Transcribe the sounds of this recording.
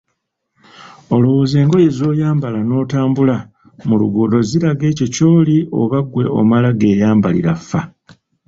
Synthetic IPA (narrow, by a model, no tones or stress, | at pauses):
o̞lo̞wo̞ːze̞ːŋɡo̞je̞zo̞ːjaːmbalano̞ːtaːmbula | mulṵɡodo̞ziɾaɡe̞ːco̞co̞ːlio̞̰βaɡwe̞ʔo̞̰malaɡe̞ːjaːmbalḭɾafːa